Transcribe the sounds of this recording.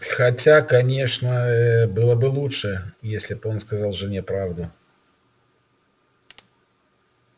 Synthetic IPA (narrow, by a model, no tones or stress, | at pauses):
xɐtʲakɐnʲe̞ʂnəbɨlˠəbɨlˠutʂɨjesʲlʲɪpo̞nskɐzalˠʐɨnʲɪpɾavd̪ʊ